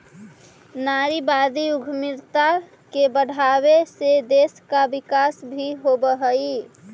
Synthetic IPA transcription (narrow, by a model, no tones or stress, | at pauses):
naɾibad̪iuɡʱmiɾt̪a | kebəɽ̤ʱaβesed̪eskabikasbʱiɦobəɦəi